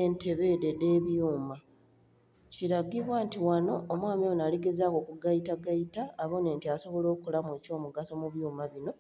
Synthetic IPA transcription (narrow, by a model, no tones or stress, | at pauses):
ente̞βe̞ːdede̞ːβjuːma | ciɾaɡiβwaːntiwano̞ːmwaːmionaːliɡe̞zaːko̞kuɡaitaɡaitaːβo̞ne̞ːntiaso̞βo̞lo̞ːkulamweːco̞ːmuɡaso̞muβjuːmaβino̞